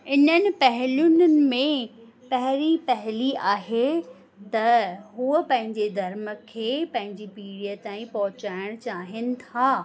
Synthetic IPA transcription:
ɪnənɪ̆pɐɦɪlʊnənɪ̆mẽ | pɐɦɪɾipɐɦɪliaːɦe | t̪ɐɦuəpɐ̃ɦɪ̃ɲd͡ʑed̪ʱɐɾmə̆kʰeːpɐ̃ɦɪ̃ɲd͡ʑipiːɽijət̪aːĩpɐɦʊt͡ɕaːɪɽ̃t͡ɕaːɦɪnɪ̆t̪ʰaː

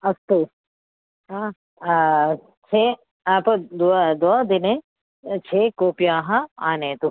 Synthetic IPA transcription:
ɐst̪u | ɦãː | t͡ʃʰe | aːpəd̪ud̪oad̪ɪnẽ | t͡ʃʰeːkoːpjaɦãaːnet̪u

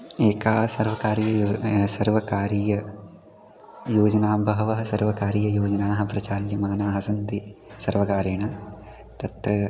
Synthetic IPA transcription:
eːkaːsɐɾʋɐkaːɾijɐsɐɾʋɐkaːɾiːjɐ | joːd͡ʒɐnaːmbʱɐɦɐʋɐɦɐsɐɾʋɐkaːɾiːjɐjoːd͡ʒɐnaːɦɐ̆pɾɐt͡ʃaːljɐmaːnaːɦɐsɐnt̪isɐɾʋɐkaːɾeːɳɐ | t̪ɐt̪ɾɐ

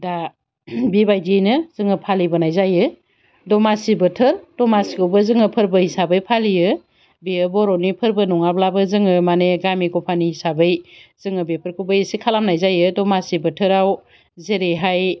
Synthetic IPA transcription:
da | bibajdinɯzɯŋɯpʰalibɯnajzajɯ | dɔmasibɯtʰɯɾdɔmasikʰɯwbɯzɯŋɯpʰɯɾbɯhisabɯjpʰalijɯ | beɯbɔɾɔnipʰɯɾbɯnɔŋablabɯzɯŋɯmaneɡamiɡɔpʰanihisabɯjzɯŋɯbepʰɯɾkʰubɯjesikʰalamnajzajɯdɔmasibɯtʰɯɾaw | zeɾeɦaj

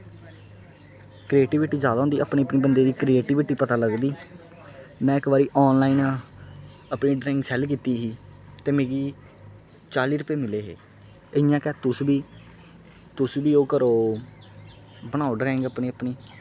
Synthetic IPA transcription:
kɾieːʈɪʋɪʈiːd͡ʒjaːd̪aːɦʊnd̪iːʔa̰ːpneːəpneːbənd̪eːd̪iːkɾieːʈɪʋɪʈiːpət̪aːləɡd̪iː | mɛ̃ːɪkbaːɾiːʔɔːnlaːiːn | əpɳiːɖɾeːŋɡsɛːlkiːt̪iːɦiːt̪eːmeːɡiː | t͡ʃaːliːɾʊpeːmɪleːɦḛː | ɪɪjãːkɛːt̪ʊsbiː | t̪ʊsbiːoːkəɾoː | bəñãːoɖɾɛːɪŋɡəpniːəpniː

